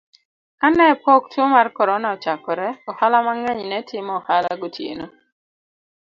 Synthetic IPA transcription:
kanɛpoktwomarkɔɾɔnaɔt͡ʃakɔɾɛɔhalamaŋɛɲnɛtɪmɔɔhalaɡotjḛno

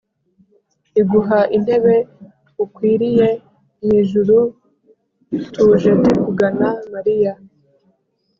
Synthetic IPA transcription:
iɡuɦaʔin̥he̞βe̞ | ukwiːɾije̞ | miʒuɾu | tuːʒetekuɡanamaɾija

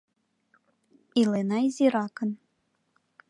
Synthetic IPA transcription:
ilenɑizʲiɾɑkə̆n

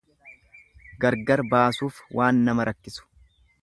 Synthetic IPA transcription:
ɡɐɾɡɐɾbaːsuːfwʔaːnːɐmɐɾɐkːɪsʊ̥

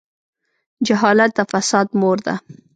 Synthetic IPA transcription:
d͡ʒaɦɑlat̪̚d̪əfasɑd̪moɾd̪a̰

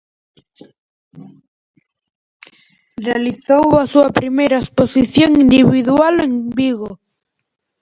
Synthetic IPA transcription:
realiθowasuapɾimejɾaesposiθjoŋind̪iβiðualeŋbiɣo

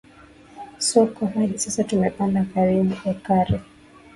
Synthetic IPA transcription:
sɔkɔɦaɗisasatumɛpandakaɾiɓuʔakaɾɛ

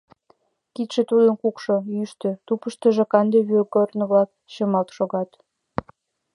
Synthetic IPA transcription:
kit̪ʃĕt̪ud̪ənkukʃojyʃt̪ø̆t̪upəʃt̪ə̆ʒĕkɑnd̪eβøkornə̆βlɑk | t͡ɕəmɑlt̪ʃoɣɑt̪

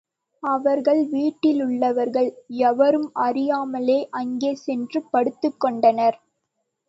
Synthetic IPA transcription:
ɐʋɐɾɣɐɭʋiːʈːɪlʊɭːɐʋɐɾɣɐɭɛʋɐɾɯmɐɾɪjaːmɐleːʔɐŋɡeːsɛndrɯpːɐɽɯt̪ːɯkːɔɳɖɐnɐɾ

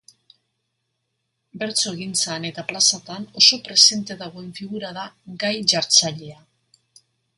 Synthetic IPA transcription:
be̞ɾt͡so̞ɣint͡sane̞t̪aplasat̪ano̞so̞pɾe̞se̞nt̪e̞ðaɣ̞o̞e̞ɱfiɣuɾaðaɡajʝaɾt͡saʎe̞a

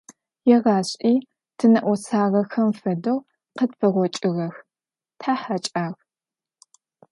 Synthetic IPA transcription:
jɛʁaːɕʼʔiː | tʰɨnɐʔʷɔsaːʁɐxɐmfɐdɐw | qədfɐʁʷɔt͡ʃʼɪɣɐx | tʰaːħat͡ʃʼaːɣ

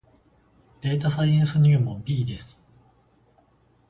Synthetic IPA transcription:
d̪̥e̞ːt̪asaiẽɰ̃sɨɲ̟ɨːmobʲiːd̪e̞sɨ̥

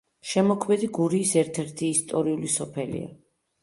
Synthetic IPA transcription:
ʃɛmɔkʰmɛd̪iɡuɾiːsɛɾt̪ʰɛɾt̪ʰiːst̪ʼɔɾiulisɔpʰɛlḭa̰

